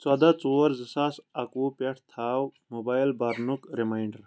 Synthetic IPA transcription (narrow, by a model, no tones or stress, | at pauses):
t͡sɐd̪ɐt͡soːɾzisasɐkuːpeʈʰt̪ʰaːwmobaːjlbɐɾnukɾimajɳɖɐɾ